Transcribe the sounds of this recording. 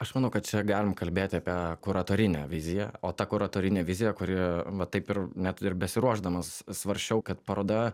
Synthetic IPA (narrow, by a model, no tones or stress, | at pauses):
ɐʃmɐnɐʊkɐt̪t͡ʃʲɛɡɑːlʲɪmkɐlʲbʲeːt̪ʲɪɐpʲiɛkʊɾɐt̪oːɾʲɪnʲɛ̰ʋʲɪzʲɪjɛoːt̪ɐkʊɾɐt̪oːɾʲɪnʲeːʋʲɪzʲɪjɛkʊɾʲɪʋɐt̪ɐɪpɪrnʲæt̪ɪrbʲɛsʲɪɾuɔʒd̪ɐmɐssʋɐɾʲʃʲɛʊkɐt̪pɐɾoːd̪ɐ